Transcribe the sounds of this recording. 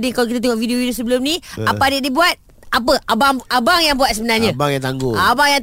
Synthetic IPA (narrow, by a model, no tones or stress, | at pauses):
diŋkawk̬it̪at̪eŋɔʔvidiovidios̬əbəlʊmnĩapadiadibuat̪̚ | ap̬əʔabaŋabaŋjaŋbuat̪̚səbənarɲãbaŋjaŋt̪aŋɡoabaŋja